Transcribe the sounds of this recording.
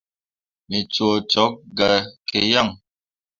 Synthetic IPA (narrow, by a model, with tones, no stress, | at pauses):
mi˨t͡so˨t͡sɔ˨˦k̚ɡa˨kʰe˨ja˦˨ŋ